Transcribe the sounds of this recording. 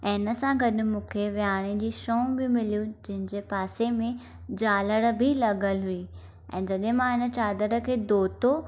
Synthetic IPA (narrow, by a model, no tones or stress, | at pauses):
ɐɦɪnə̆sãɡɐɗmũːkʰeʋiaːɽ̃ed͡ʑiːʃoːbɪmɪlijũd͡ʑɐ̃ɦɪ̃ɲd͡ʑepaːsemẽ | d͡ʑaːləɽ̆bʱɪlɐɠəlɦui | ɛ̰̃ːd͡ʑɐɗẽmãɪnə̆t͡ɕaːd̪əɽə̆kʰeːd̪oːt̪o